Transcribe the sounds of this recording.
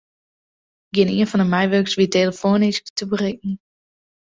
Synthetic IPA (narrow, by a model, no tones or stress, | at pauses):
ɡɪnḭənfɔndəmɛjʋøksʋiteːləfoːnɪsktəbərɪk̚ŋ̩